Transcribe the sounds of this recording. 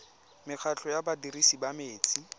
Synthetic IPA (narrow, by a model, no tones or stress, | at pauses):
mɪk͡xʰat͡ɬɔjabadirisibameːt͡sʼi